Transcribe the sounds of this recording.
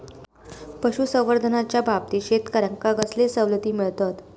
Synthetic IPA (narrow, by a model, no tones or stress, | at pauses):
pəɕusə̃w̃ʋəɾd̪ʱənat͡ɕjabʱap̚t̪iːɕet̪kəɾəŋkaɡəslesəwlət̪iːmiɭt̪at̪